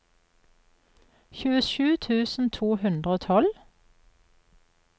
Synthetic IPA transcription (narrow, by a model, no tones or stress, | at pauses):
çʉːəʃʉːt̪ʰʉːsn̩t̪ʰuːhʉnd̪ʁəoːt̪ʰɔl